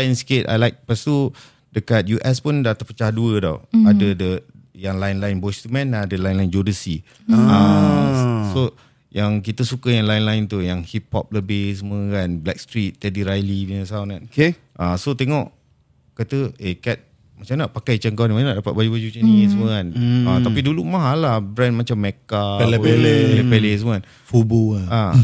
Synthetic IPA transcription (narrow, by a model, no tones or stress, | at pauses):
jnsket̪a̰jlajk̚past̪u | dəkat̪̚juʔɛspundat̪apət͡ʃahduədɔ̰adədə | jaŋlaɪnlaɪnbɔst̪umɛ̃nadəlajnlaɪnd͡ʒodəsi | a | so | jaŋk̬it̪əsukəjaŋlajɪnlaɪnt̪ujaŋhip̚hɔ̰p̚ləbɪhs̬əmuəkanblɛk̚st̪ɾit̪̚ːɛdiɾajlibinəsawnkan | ʔasot̪ɛŋɔʔ | kat̪əekɛt̪̚ | mat͡ʃamnaʔpakajt͡ʃəŋkanimanaʔdapat̪̚bad͡ʒubad͡ʒut͡ʃənisəmə̃kanat̪apidulumaɦalabɾɛnmat͡ʃamːɛkaleelɛlepeles̬əməkan | fuboa